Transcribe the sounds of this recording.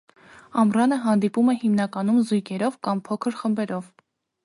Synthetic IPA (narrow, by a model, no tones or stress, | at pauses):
ɑmrɑnəɦɑnd̪ipumɛhimnɑkɑnumzujkʰɛɾɔvkɑmpʰɔkʰəɾχəmbɛɾɔv